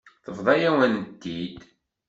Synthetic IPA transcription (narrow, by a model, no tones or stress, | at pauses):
θəvðˤɑjæwænt̪ːid̪